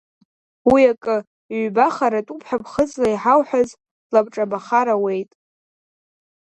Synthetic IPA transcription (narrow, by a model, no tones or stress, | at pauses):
wiakʼɨ | ɥbaχaɾatʼupʰħabʰχəzlaiħawħaz | labʈ͡ʂʼabaχaɾawe̞jtʼ